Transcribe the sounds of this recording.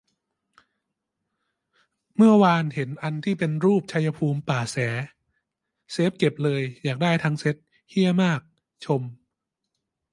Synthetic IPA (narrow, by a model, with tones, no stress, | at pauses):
mɯ˥˩ɐwaː˧nhe˩˦nʔa˧nt̪ʰiː˥˩pe˧nɾuː˥˩p̚t͡ɕʰa˧ja˧pʰuː˧mpaː˨˩sɛː˩˦ | seː˦˥p̚ke˨˩p̚lɤː˧jːaː˨˩k̚daː˥˩jt̪ʰaː˦˧˥ŋse˦˥t̪̚ | hi˥˩əmaː˥˩k̚ | t͡ɕʰo˧m